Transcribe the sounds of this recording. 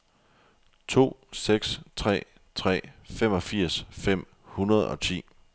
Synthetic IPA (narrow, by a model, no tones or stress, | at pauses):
t͡sʰo̝̰ːseɡ̥st͡sʰʁɛ̰ː | t͡sʰʁɛ̰ːfem̰ɒ̽fiɐ̰sfem̰ | hunɐðˠɒ̽t͡sʰḭː